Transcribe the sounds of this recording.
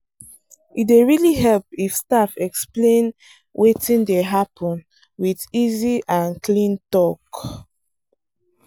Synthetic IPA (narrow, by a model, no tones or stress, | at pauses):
ieɹiliɦɛlpifstafɛksplẽn | wetĩndeɦapʰɔ̃n | wiðiziʔãnklĩntɔk